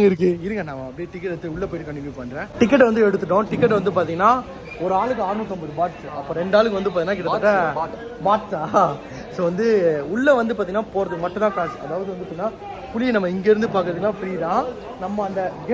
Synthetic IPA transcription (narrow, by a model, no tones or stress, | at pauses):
ŋɡɐɪɾɯk̬ːɯɪɾɯŋkːɡɐnãːmãːɐpɽiʈɪkːɐʈːɐt̪ːɯʊɭːɐpoːjɪʈːɯkɐɳɖɪʋiːpɐɳːɾẽːʈɪk̬ːɛʈ̬ːʋɐnd̪ɯɛɽɯt̪ːɯʈ̬ːõʈɪkːɛʈ̬ːʋɐnd̪ɯp̬aːɾt̪iŋɡɐnaː | ɔɾɯaːɭɯkːɯaːɾnut̪ːɔmbɐðɯbaːʈsɯɐpːoːɾɛɳɖaːɭɯkːɯʋɐnd̪ɯpaːɾiŋːnaːkɪʈːɐʈːɐ | baːʈt͡ʃːaː | soːʋɐnd̪ɯʊɭːɐʋɐnd̪ɯpaːɾt̪iŋɐnːaːpoːɾɐðɯmɐʈːʊ̃t̪ãːkaːsɐ̰ðaːʋɐðɯʋɐnd̪ɯpːaːnaː | pʊlɪnɐmːɐɪŋɡeɪɾɯnd̪ɯpaːkɯɾɐðɯɡlaːpɪɽiðãː | nɐmːɐɐnd̪ɐɡ